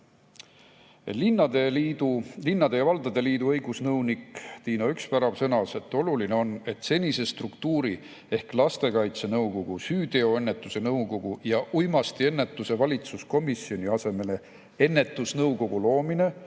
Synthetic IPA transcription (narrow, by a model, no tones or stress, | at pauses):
linːɑd̪elid̪ulinːɑd̪̥e̞jɑvɑld̪ɑd̪e̞liːd̪uɤjɡ̥usnɤwnikt̪iːnɑykspæɾɑv̥sɤnɑse̞t̪ːˑo̞luline̞o̞ne̞t̪se̞nʲise̞st̪rukt̪uːɾi | e̞hklɑst̪e̞kɑjt̪se̞nɤwko̞ɡ̥usyːd̪e̞o̞e̞nːe̞t̪ːˑuse̞nɤwko̞ɡ̥ujɑʔujmɑst̪ie̞nːet̪ːˑuse̞vɑlʲit̪susko̞misio̞niɑse̞me̞le̞ | e̞nːe̞t̪ːˑusnɤwko̞ɡ̥ulo̞ːmine̞